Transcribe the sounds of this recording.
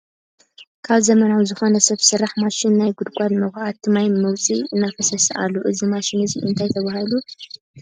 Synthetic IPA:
kʰaβzɐmɐnawzɨxo̞nɐsɐβsɨɾaħmaʃɪnːajɡʊd̪kʷʼalmɐxʔat̪ʰːɨmajmɐwt͡sʼiɨnːafɐsɐsʔa̰lːoʔɨzimaʃɪnɨziʔɨ̰nt̪ʰajt̪ʰɐβahɨlu

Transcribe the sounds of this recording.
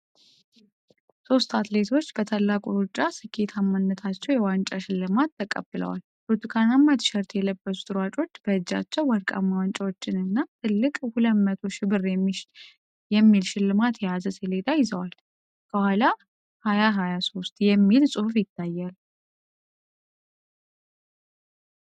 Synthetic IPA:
so̞st̪ʰat̪le̞t̪ʰo̞t͡ʃːb̥ət̪ʰalːakʼuɾut͡ʃʼːasɨkʰːe̞t̪ʰamːanːət̪ʰat͡ʃːɛwjɛwant͡ʃʼaʃɪlːɨmat̪ːəkʼə̰bːɨlə̰wa̰l | pɾot̪ʰikʰanamːat̪ʰɨ̥ʃəɾt̪ʰjɛləbːəsu̥t̪ʼɨɾat͡ʃʼo̞t͡ʃːb̥əɨd͡ʒːa̰t͡ʃːɛwwaɾkʼa̰mːawant͡ʃʼawo̞t͡ʃːɪnɨnːat̪ʰɨlːɨkʼhulətmət̪ʰo̞ʃɪbɨrjɛmːiʃ | jɛmːilʃɪlːɨmat̪jɛjazəseled̪ajɪzəwal | kʰəhʷala | hajaɦajaso̞st̪jɛmːilsʼɨhufjɪt̪ːajːal

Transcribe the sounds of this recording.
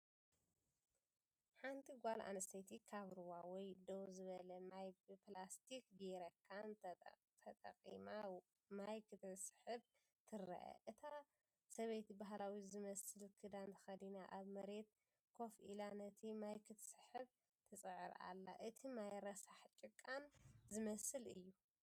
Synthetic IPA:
ħant̪ʰiɡʷalʔa̰nɐst̪ʰɐjt̪ʰikʰaβɾɨwawɔjd̪owzɨβɐlɐmajbɨplast̪ʰikɡeɾɐkʰːan | t̪ʰɐt̪ʼɐ̰qʼḭma | majkʰɨt̪ʰɨsɨ̥ħɨβ | t̪ʰɨɾɐ̰ʔɐ̰ʔɨt̪ʰa | sɐβejt̪baɦlawizɨmɐsɨlkʰɨd̪ant̪ʰɐ̥xɐd̪inaʔaβmɐɾe̞t̪ | kʰo̞filanɐt̪ʰimajkʰɨt̪sɨħɨβ | t̪ʰɨt͡sʼɨʕɨɾa̰lːaʔɨt̪ʰimajɾɐsaħt͡ʃʼɪkʼːanzɨmɐsɨlɨjːu

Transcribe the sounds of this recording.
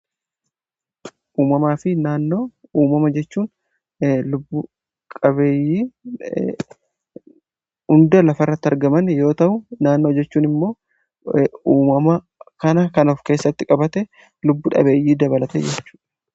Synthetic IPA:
ʔuːmɐmaːfɪnaːnːoːuːmɐmɐd͡ʒɛt͡ʃːuːn | lʊbːʊ | kʼɐβe̞ːjːiː | ʊnd̪ɐlɐfɐrːɐt̪ːɪɐɾɡɐmɐnjo̞ːt̪ɐʔʊnaːnːo̞ːd͡ʒɛt͡ʃːuːnɪmːo̞ː | uːmɐmɐ | kɐnɐkɐnɔfke̞ːsːɐt̪ːɪkʼɐbɐt̪ɛ | lʊbːʊᶑɐ̰be̞ːjːiːd̪ɐbɐlɐt̪ɛ̰d͡ʒɛt͡ʃːu̥ːᶑɐ

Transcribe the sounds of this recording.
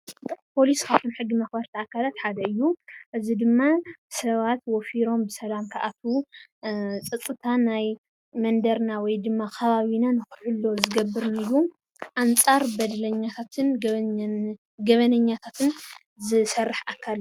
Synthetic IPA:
pʰo̞liskʰaβt̪ʰunħɨɡːimɐxbɐɾt̪ʰiakʰːalat̪ħad̪ɐɨjːuʔɨzid̪ɨmːasɐβat̪wɔfiɾo̞mbɨsɐlamkʰaʔat̪ʰu | t͡sʼɨt͡sʼːɨt̪ʰanaj | mɐnd̪ɐɾnawɔjd̪ɨmːakʰɐβaβinanɨxɨħɨlːo̞zɨɡɐbːɨɾnɨju | ʔant͡sʼaɾbɐd̪lɐɲːat̪ʰat̪ʰɨn | ɡɐβɐnɐɲːat̪ʰat̪ʰɨn | zɨsɐrːɨħʔakʰːal

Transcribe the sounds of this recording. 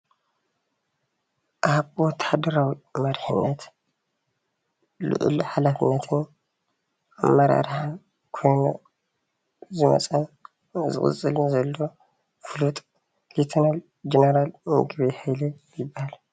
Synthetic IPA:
ʔaβwɔt̪ʰːad̪ɐɾawimɐɾħɨnːɐt̪ | lɨ̰ʔʊ̰lħalafɨnːɐt̪ʰɨn | amːɐɾa̰ɾħa | kʰo̞jno | zɨmɐ̰t͡sʼɐn | zɨ̰kʼɨ̰t͡sʼːɨlzɐlːo | fɨlut̪ʼ | lit̪ʰɐnal | d͡ʒeneɾalmɨ̰ɡβehajle | jɪbːahal

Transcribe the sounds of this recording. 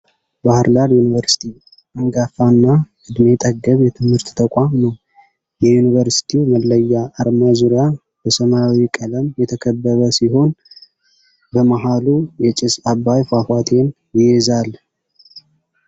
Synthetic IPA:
bahɨɾd̪aɾjunivəɾsi̥t̪ʰi | əŋɡafanːaʔɨd̪me̞t̪ʼəɡːəβjɛt̪ʰɨmhɨɾt̪t̪ʰəkʷʼamnəw | jɛjunivəɾsi̥t̪ʰiməlːəjːaʔːɾmazuɾja | bəsəmawikʼələmjɛt̪ʰəkʰəbːəβəsiho̞n | bəmaɦalujɛt͡ʃʼɪsabːajfafat̪ʰe̞n | jɪjɛzalː

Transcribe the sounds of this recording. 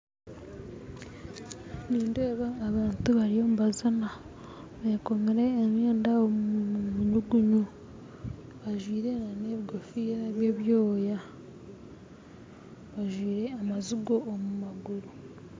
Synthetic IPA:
niːndeːβaːβaːntuβaɾijo̞muβazana | βeko̞meɾe̞ːɲeːndaomumuɲuɡuɲu | βaʒwiːɾe̞naneːβiɡofiaβje̞ːβjoːja | βaʒwiːɾe̞amazuɡo̞ʔːmumaɡuɾu

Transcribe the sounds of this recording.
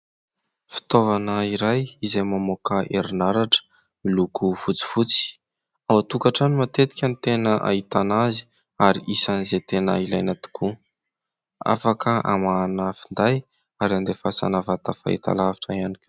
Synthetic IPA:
fi̥t̪ovanəiɾajizajmamokəʔeɾinaɾaʈ͡ʂə̥ | ilukufut͡si̥fut͡si̥ | awat̪ukaʈ͡ʂanimat̪et̪i̥kʲanit̪enəʔa̰it̪anazi̥ | aɾiʔisanizet̪enə̰ilajnat̪u̥kʰu | a̰fakʰəʔa̰manəfind̪aj | aɾiand̪efasa̰navat̪afa̰ḭt̪a̰lavi̥ʈ͡ʂaianikʲ

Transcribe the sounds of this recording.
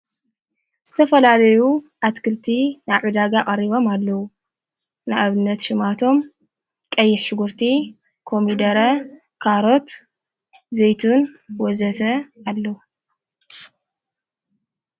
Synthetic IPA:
z̥ɨt̪ʰɐfɐlalɐjuʔat̪kʰɨlt̪ʰinaʕud̪aɡakʼɐriβo̞malːɐwu | naʔaβɨnːɐt̪ʃɪmat̪ʰo̞m | kʼɐjːɪħʃɨɡuɾt̪ʰi | kʰo̞mid̪ɐɾɐ | kʰaɾo̞t̪ | zejt̪ʰunwɔzɐt̪ʰɐalːɐwu

